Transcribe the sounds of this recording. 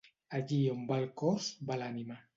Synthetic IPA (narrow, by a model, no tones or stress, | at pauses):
aʎiombalkɔzbalanima